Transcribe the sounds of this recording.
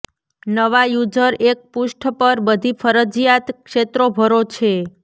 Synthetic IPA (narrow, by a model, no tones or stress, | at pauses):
nəʋajud͡ʒəɾʔek̚puʃʈʰpəɾbəd̪ʱifʰəɾəd͡ʒjat̪kʃet̪ɾobʱəɾot͡ʃʰe